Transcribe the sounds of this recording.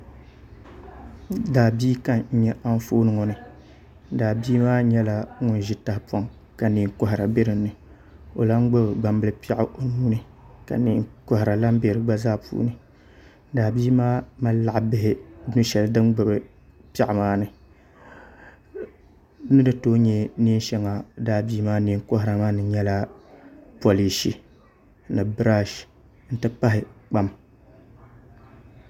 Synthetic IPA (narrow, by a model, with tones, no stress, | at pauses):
daː˨biː˦ka˦nɲ̩˦ɲɛ˦ʔa˦ɱ˦foː˦nɨ˦ŋo˨nɨ˨˦ | daː˨biː˦maː˦ɲɛ˦la˨˦ŋʊ˦nʒi˦ta˨hpa˦ŋ | ka˨niː˨ŋkʊ˨ɦɪ˨ɾa˨be˦ɾɨ˨n˦nɨ˨ | o̰˨la˦ŋ˦ɡ͡bʊ˦bɨ˨ɡ͡ba˨mbɨ˦lɨ˨pa˦ʔɪ˨ʔo˨nuː˦nɨ˨ | ka̰˨ni˨kɔ˨hɪ˨ɾa˨la˦m˦be˨ɾɨ˨ɡ͡ba˦zaː˦pṵː˦nɨ˨˦ | daː˨biː˦maː˦ma˦la˨ʔbɪ˦ɦɪ˦nɨ˦ʃɛ˨ldɨ˦mɡ͡bɨ˨bɨ˨ | pa˨ʔmaː˦nɨ˨ | nɨ˦dɨ˨toː˦ɲɛ˦niː˦nʃɛ˦ŋa˨daː˦biː˦maː˦ni˦ŋko˦hɪ˨ɾa˨maː˦nɨ˨ɲɛ˦la˦ | po˨li˨ʃi˨ | nɨ˨bɾa˦ʃ | n̩˦tɨ˦pa˦ɦɪ˨k͡pa˦m